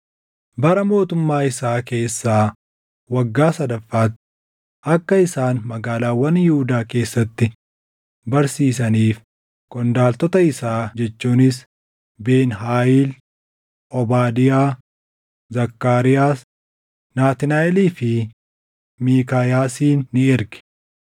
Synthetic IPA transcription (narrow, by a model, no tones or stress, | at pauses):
bɐɾɐmo̞ːt̪ʊmːaːɪsaːke̞ːsːaː | wɐɡːaːsɐd̪ɐfːaːt̪ | ʔɐkːɐɪsaːnmɐɡaːlaːwɐnjɪhʊd̪aːke̞ːsːɐt̪ːɪ | bɐɾsiːs̬ɐniːf | kɔnd̪aːlt̪ɔt̪ɐɪsaːd͡ʒɛt͡ʃːuːnɪs | be̞ːnɦaːjiːl | ʔɔbaːd̪ɪjaː | zɐkːaːɾɪjaːs | naːt̪ɪnaːɛliːfɪ | miːkaːjaːsiːnːɪɪɾɡɛ̥